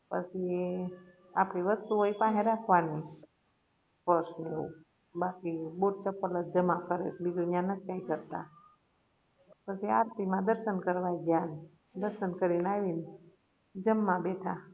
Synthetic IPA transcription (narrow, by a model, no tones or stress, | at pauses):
pə̰t͡ʃʰi | a̰pɽiʋəst̪uɦoipãɦẽɾakʰʋani | pəɾsneṵ | bakiboʈ̚t͡ʃəpːələt̪̚d͡ʒəmãkəɾḛt͡ʃʰbid͡ʒujãnət̪̚ʰkaikəɾt̪a̰ | pət͡ʃʰia̰ɾt̪imãd̪əɾʃənkəɾʋaiɡjan | d̪əɾʃənkəɾinaʋin | d͡ʒəmːãbeʈʰa